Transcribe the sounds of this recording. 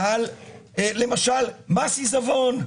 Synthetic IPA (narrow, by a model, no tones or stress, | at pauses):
alelːe̞maʃalmasizavon